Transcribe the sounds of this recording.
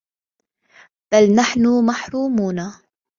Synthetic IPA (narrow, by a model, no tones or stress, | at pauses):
b̥alnaħnʊmaħɾuːmuːna